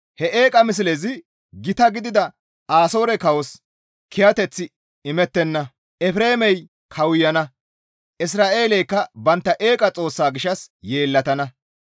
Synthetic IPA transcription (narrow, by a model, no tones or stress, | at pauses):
hɛʔe̞ːkʼɐmɪs̬ɪlɛzɪ | ɡɪt̪ɐɡɪd̪ɪd̪ɐ | aːso̞ːɾɛkɐwɔs | kʰɪjɐt̪ɛt͡sːɪ | ɪmɛt̪ːɛnːɐ | ʔɛfɾe̞ːmɛj | kʰɐwʊjːɐnɐ | ʔɪs̬ɾaːʔe̞ːlɛjkːɐbɐnt̪ːɐʔeːkʼɐt͡sʼo̞ːsːaːɡɪʃɐsjeːlːɐt̪ɐnɐ